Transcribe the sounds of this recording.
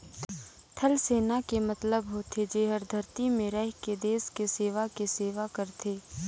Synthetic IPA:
t̪ʰɐlseːnakemɐt̪ləbɦot̪ʰed͡ʒeːɦəɾd̪ʱɐɾt̪imẽɾɛɦked̪eːskeseːʋakiseːʋakəɾt̪ʰeː

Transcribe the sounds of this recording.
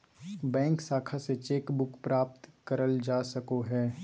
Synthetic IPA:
bɛ̃ːŋksaːkʰaset͡ʃeːkbʊkpɾaːp̚t̪kɐɾəld͡ʒaːsɐkoɦɛː

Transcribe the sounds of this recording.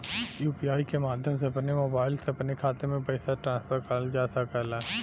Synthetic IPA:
juːpiaːikemaːd̪ʱjəmseɐpnemoːbaːɪlseɐpnekʰaːt̪emẽpɐɪsaʈɾãːnspʰəɾkəɾld͡ʒaːsakəla

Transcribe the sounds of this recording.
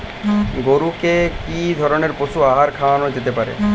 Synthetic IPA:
ɡoɾukekid̪ʱɔɾoneɾposuaɦaɾkʰawanod͡ʑet̪epaɾḛ

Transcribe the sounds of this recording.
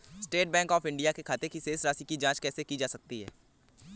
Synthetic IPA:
sʈeːʈ̚bɛ̃ːŋkɔːfɪ̃ɳɖijakekʰaːt̪ekiseːsɾaːsikid͡ʒãːt͡ʃkɛːsekid͡ʒaːsɐk̚t̪iɦɛ̰ː

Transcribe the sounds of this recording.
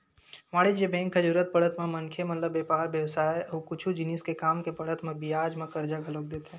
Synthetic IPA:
maːɽid͡ʒebɛ̃ːŋkʰːəd͡ʒuːɾət̪̚pəɽ̤ət̪mẽmɐnkʰemɐt̪ləbːeːpaːɾbjəwsaːeoːkʊt͡ʃʰud͡ʒɪniskekaːmkepəɽət̪mẽbiaːd͡ʒmẽkəɾd͡ʒaɡʱəloːk̚d̪eːt̪ɦɛ̃

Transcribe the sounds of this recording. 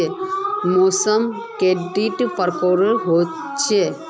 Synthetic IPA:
emosəm | keɖiʈpəɾkoɾəɾɦo | t͡ʃʰe

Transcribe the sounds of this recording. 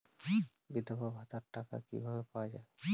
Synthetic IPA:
bid̪ʱobabʱat̪aɾʈaka̰kḭbʱabepaoad͡ʑa̰e

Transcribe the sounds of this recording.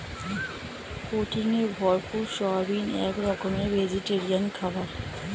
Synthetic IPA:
koʈiŋebʱɔɾpʰuʃɔbinɛkɾɔkɔmebʱed͡ʒiʈeɾiankʰabaɾ

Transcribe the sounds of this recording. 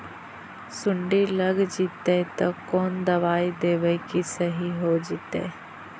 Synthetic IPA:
sʊɳɖiləɡd͡ʒit̪et̪ɐkoːnd̪ɐʋaːid̪eːʋəikisəɦiɦoːd͡ʒit̪ḛː

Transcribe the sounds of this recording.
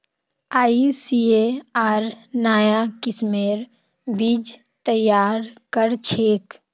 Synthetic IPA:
aːisieaːɾnaːjakɪsmeːɾ | biːd͡ʒ | t̪əjːaːɾkəɾt͡ʃʰeːk

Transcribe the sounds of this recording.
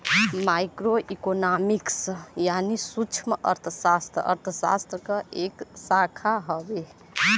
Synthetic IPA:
majkɾoʔikonamiksjanisut͡ʃʰmə̰ɾt̪ʰəsast̪ɾə̰ɾt̪ʰəsa̰st̪ɾəkəeksakʰaɦɔbe

